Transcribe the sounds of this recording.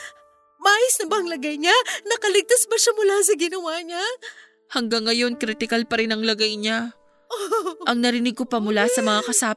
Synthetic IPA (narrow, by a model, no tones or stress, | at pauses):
maːjɪsnɐbɐʔɐŋlɐɡɐjɲanɐkɐlɪɡ̚t̪asbɐʃamʊlas̬ɐɡɪnɐwaːɲa | hɐŋɡaŋːɐjo̞nkɾit̪ɪkɐlpɐɾɪnɐŋlɐɡɐjɲa | ʔoʔɐŋnɐɾɪnɪɡ̚kopɐmʊlasɐmɐŋakɐsap